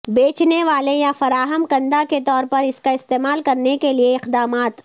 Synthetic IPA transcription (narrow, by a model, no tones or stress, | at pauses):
beːt͡ʃneʋaːlejafɐɾaːɦəmkɐ̃nd̪aket̪ɔːɾpɐɾɪskaɪst̪eːmaːlkɐɾnekelieɪqd̪aːmaːt̪